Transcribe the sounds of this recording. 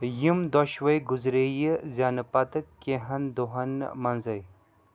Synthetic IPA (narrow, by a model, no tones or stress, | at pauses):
jimd̪oʃʋɐjɡuzɾejizʲanɨpɐt̪ɨkːeɦɐnd̪oɦɐnmɐnzɐj